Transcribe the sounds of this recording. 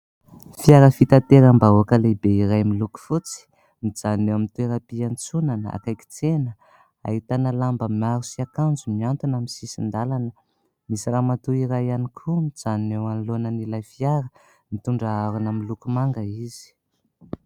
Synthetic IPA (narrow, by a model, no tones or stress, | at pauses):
fiaɾəfit̪at̪eɾambaoakəlebeiɾajmiluku̥fut͡si̥ | mid͡zannewamint̪ueɾapiant͡sunana̰kajki̥t͡senə | a̰ɦit̪anəlambəmaɾusiakand͡zumiant̪unaminsisind̪alanə | misiramat̪uiɾajanikʰumid͡zanewanlonənilafiaɾə | mit̪uɳɖ͡ʐaaɾunamilukumaŋɡəiz̥i̥